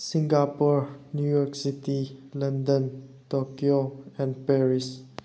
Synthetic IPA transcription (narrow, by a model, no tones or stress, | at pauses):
sĩŋɡapɔɹnjujɔɹksitilʌ̃ndə̃n | tokioɛ̃npɛɹis